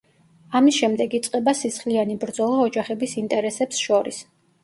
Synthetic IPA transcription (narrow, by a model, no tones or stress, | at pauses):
amisʃɛmd̪ɛɡit̪sʼqʼɛbasisχlianibɾd̪zɔlˠaɔd͡ʒaχɛbisint̪ʼɛɾɛsɛpsʃɔɾḭs